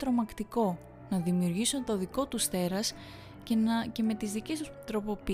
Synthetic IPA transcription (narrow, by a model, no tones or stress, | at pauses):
t̪ɾo̞mɐkt̪iko̞ | nɐðimiuɾʝisunt̪o̞ðiko̞t̪ust̪e̞ɾɐs | cece̞me̞t̪izðice̞sust̪ɾo̞po̞pi